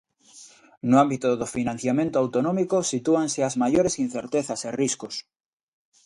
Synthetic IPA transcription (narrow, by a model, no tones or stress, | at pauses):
noambit̪oðofinãn̟θjamẽnt̪oawt̪onõmikosit̪uanseazmaʝoɾesin̟θeɾt̪eθaseriskos